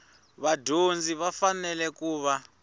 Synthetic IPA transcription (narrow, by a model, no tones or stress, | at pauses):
βadʱond͡ziβafanɛlɛkuːβa